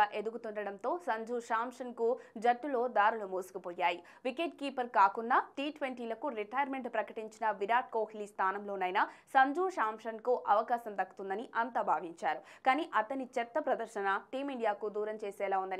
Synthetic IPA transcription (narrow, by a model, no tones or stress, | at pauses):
aːʔe̞d̪uɡut̪uɳɖɐɽɐnt̪o̞ːsɐɲd͡ʒuːʂaːmʂɐnkud͡ʒɐʈːulo̞ːd̪aːɾulumuːsu̥kupɔːjaːji | ʋikeʈ̚kiːpɐɾkaːkunːaːʈiːʈʋeɳʈiːlɐkuɾiʈɐjɐɾme̞ɳʈpɾɐkɐʈiɲt͡ʃinɐʋiɾaːʈ̚koːhiliːst̪ʰaːnɐmlo̞ːnɐjnɐsɐɲd͡ʒuːʂaːmʂɐnkuʔɐʋɐkaːsɐmd̪ɐkːu̥t̪und̪ɐniʔɐnt̪aːbʱaːʋiɲt͡ʃaːɾukaːniːʔɐt̪ɐnit͡ʃɛt̪ːɐpɾɐd̪ɐɾʃɐnɐʈiːmiɳɖijaːkud̪uːɾɐmt͡ʃeːsɛːlaːund̪ɐni